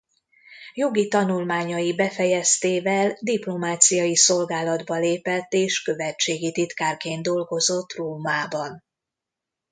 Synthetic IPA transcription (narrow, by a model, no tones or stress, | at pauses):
jo̞ɡit̪ɒnulmaːɲɒjibɛfɛjɛst̪eːvɛld̪iplo̞maːt̪sijɒjiso̞lɡaːlɒd̪bɒleːpɛt̪ːeːʃkø̞vɛt͡ʃeːɡit̪it̪kaːrkeːnd̪o̞lɡo̞zo̞t̪ːroːmaːbɒn